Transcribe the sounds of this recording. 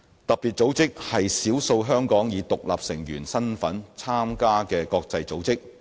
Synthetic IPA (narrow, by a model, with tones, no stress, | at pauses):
t̪ɐ˨k̚piː˨t̚t͡so˨˥wt͡sɪ˥k̚hɐ˨jsiː˨˥wso˧wɦœː˥ŋkɔː˨˥ŋjiː˨˧˥t̪ʊ˨k̚la̰ː˨p̚sɪ˨˩ŋjyː˨˩nsɐ˥nfɐ˨˥nt͡sʰaː˥mkaː˥kɛː˧kɔː˧k̚t͡sɐ˧jt͡so˨˥wt͡sɪ˥k̚